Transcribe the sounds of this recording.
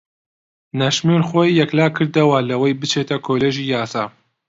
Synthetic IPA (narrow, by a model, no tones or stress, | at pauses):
nɐʃmeɾxoːjːɛklaːkʰɨɾd̪ɐwɐlɐwɐjbɨt͡ʃʰeːt̪ɐkʰoːleːʒiːjaːsaː